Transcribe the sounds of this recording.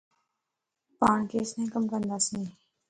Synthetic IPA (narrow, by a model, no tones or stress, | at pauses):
paːɳkeːsnẽːkəmkənd̪aːsĩː